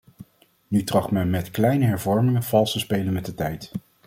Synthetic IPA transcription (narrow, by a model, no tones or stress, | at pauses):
nytrɑχtmɛnmɛtklɛjnəɦɛɹvɔɹmɪŋəv̥ɑlˠstəspejlənmɛt̚dətɛjt